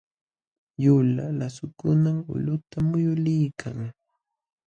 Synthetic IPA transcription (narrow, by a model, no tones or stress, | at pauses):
jʊlalasʊkʊnamʊ̰lʊt̪amʊjʊlɪjkʰaŋ